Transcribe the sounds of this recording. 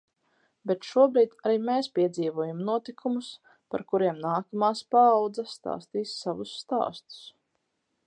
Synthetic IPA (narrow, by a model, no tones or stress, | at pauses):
bɛt̪ʃuɔbɾiːt̪aɾiːmeːspʲiɛd̪ziːvuɔjamnuɔt̪ikʰumus | pa̰ɾkuɾiɛmnaːkamaːspaːwd̪zast̪a̰ːst̪iːsːavusːt̪a̰ːst̪u̥s